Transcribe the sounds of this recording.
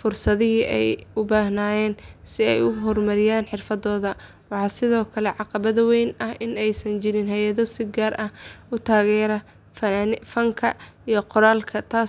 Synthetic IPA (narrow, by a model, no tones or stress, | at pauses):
fʊrsɐðɪɦiʔɛ̰jʊbaːɦnaːjɛːnsɪɛ̰jʊɦɔrmɐɾɪjaːnħɪrfɐðɔːðɐ | wɑħɑːsɪðɔːkʰɐlɛʕɑqɑβɐðɐwɛjnʔɐhɪnɛjsɐnt͡ʃɪɾɪnɦɛjɐðɔsɪɡaːɾʔɐhʊt̪ʰaːɣɛːɾɐ | fɐnfɐŋkʰɐ | ijɔqɔɾaːlkʰɐt̪ʰaː